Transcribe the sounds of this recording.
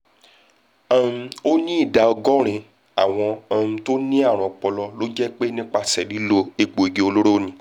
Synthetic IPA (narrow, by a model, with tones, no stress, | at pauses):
ã˦˧o˦nĩ˦i˦˨da˨˧ɔ˧ɡɔ̃˦ɾ̃ĩ˧ | a˦˨w̃ɔ̃˧ã˧to˦nĩ˦a˦˨ɾ̃ɔ̃˧˨k͡pɔ˧lɔ˧lo˦d͡ʒɛ˦k͡pe˦nĩ˦k͡pa˧˨sɛ˨li˨˦lo˧e˨ɡ͡bo˨i˨ɡe˦o˧lo˦ɾo˦˨nĩ˧